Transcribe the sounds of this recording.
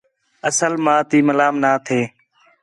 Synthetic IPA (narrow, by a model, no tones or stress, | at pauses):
əsəlmãːt̪iːməlaːmnaːt̪ʰeː